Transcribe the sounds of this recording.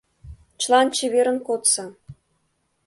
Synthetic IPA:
t͡ɕlˠɑnt͡ɕeβeɾə̆nkot̪sɑ

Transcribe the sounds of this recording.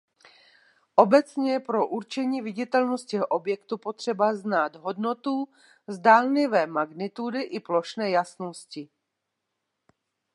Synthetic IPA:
ʔo̞bɛt͡sɲɛɛjɛpɾo̞ʔuɾt͡ʃɛɲiːvɪɟɪt̪ɛlnost̪̚cɛɦʔobjɛkt̪upo̞t̪r̝̥ɛbaznaːd̪ɦo̞dno̞t̪u | zdaːlɲɪvɛːmaɡnɪt̪udɪʔɪplo̞ʃnɛːjasnoscɪ

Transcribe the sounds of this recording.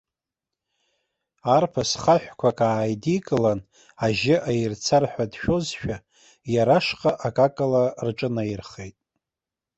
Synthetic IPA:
arpʰasχaħʷᶣkʷʰakʼaːjdikʼɨlan | aʒɪʔajɪrt͡sʰarħʷᶣadʃᶣo̞zʃᶣa | jaɾaʂqʼaʔakʼakʼalarʈ͡ʂʼɨnajirχejtʼ

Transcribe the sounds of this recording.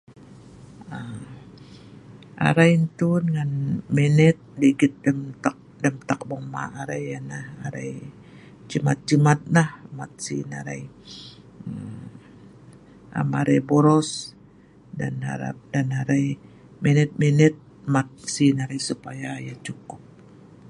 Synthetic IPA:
əm | a̰ɾajnt̪udəŋanmɛnɛt̪̚diɡɪt̪̚dəmt̪ak̚dəmt̪ak̚bɔma̰ʔaɾajanahaɾaj | t͡ʃəma̰t̪̚d͡ʒəmat̪̚lahmat̪̚sina̰ɾaj | a̰maɾajboɾɔs | da̰na̰ɾa̰p̚danaɾaj | menɛt̪̚mɛnɛt̪̚ | mat̪̚sinaɾajsupajajat͡ʃukʊp̚

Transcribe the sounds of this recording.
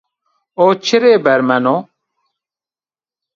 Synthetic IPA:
oːt͡ɕʰiɾeːbɛɾmɐno

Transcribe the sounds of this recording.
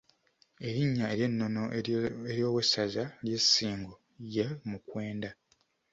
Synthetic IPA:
e̞ɾiɲːae̞ɾje̞nːo̞noeɾjo̞ːwesːazalje̞sːiːŋɡo | jemukwe̞ːnda

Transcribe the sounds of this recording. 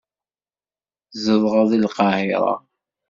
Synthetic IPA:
zəðˤʁɑðˤilqɑhiɾˤɑ̰

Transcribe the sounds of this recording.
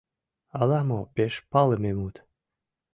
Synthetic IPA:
ɑlɑmopeʃpɑləmemut̪

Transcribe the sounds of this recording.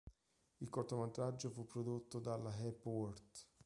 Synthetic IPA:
ilkort̪omat̪ɾad͡ʒːofupːɾod̪ot̪ːod̪alaɦɛpːwɔrt̪

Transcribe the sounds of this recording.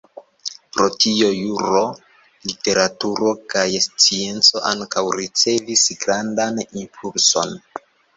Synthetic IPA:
pɾo̞tio̞juɾo̞ | lite̞ɾatuɾo̞kajst͡sie̞nt͡so̞ʔaŋkawɾit͡se̞visɡɾandanimpʰulso̞̰n

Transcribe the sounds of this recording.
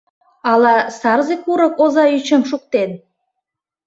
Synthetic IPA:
ɑlˠɑsɑɾzikuɾəkozɑyt͡ɕə̆mʃuk̚t̪en

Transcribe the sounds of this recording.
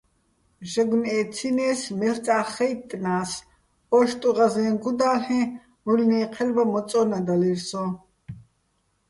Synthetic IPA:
ʒɛɡnɛːt͡sʰinɛːsmɛɬt͡sʼaːχɛjt̪ʼːnaːs | ɔʃt̪ʼuʁazɛnɡud̪aːlɛ̃ | ulnɛːqʰɛlbamɔt͡sʼɔnad̪alirsɔ

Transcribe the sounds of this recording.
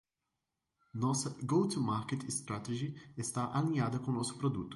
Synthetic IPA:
nɔsɐɡowt̪umaɾket̪st̪ɾat̪eʒiest̪aʔalĩɲad̪ɐkõnɔsʊ̥pɾod̪ut̪ʊ̥

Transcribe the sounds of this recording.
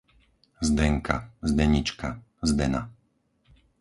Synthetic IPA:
zd̪ɛŋka̰zd̪ɛɲit͡ʃka | zd̪ɛna̰

